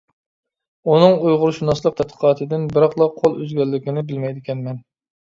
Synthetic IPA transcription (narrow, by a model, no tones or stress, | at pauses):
unɨŋujʁʊɾuʃunɑslˠəq̚t̪ʰɛt̪̚qʰə̥qʰɑːt̪ʰɨd̪ɪnbɪɾɑqlˠɑqʰːolˠøzɡʲɛlːɪkʲɪnɪbɪlmɛjd̪ɪkʲɛnmɛn